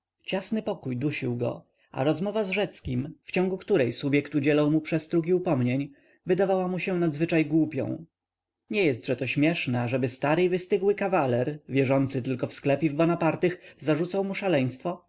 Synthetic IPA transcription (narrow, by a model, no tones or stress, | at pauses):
t͡ɕasnɘpɔkujd̪uɕiwɡɔ̰ | a̰ɾɔzmɔvazʐɛt̪skʲimft͡ɕɔ̃ŋɡukt̪uɾɛjsubʲjɛkt̪ud͡ʑɛlɔwmupʂɛst̪ɾuk̬ʲiupɔmɲeɲ | vɘd̪avawamuɕɛnad̪zvɘt͡ʂajɡwupʲjɔ̰̃w̃ | ɲɛjɛst̪ʐɛt̪ɔɕmʲjɛʂnɛaʐɛbɘst̪aɾɘivɘst̪ɘɡwɘkavalɛɾvʲjɛʐɔnt̪sɘt̪ɘlkɔfsklɛpʲjivbɔnapaɾt̪ɘxzaʐut̪sawmuʂalɛj̃st̪fɔ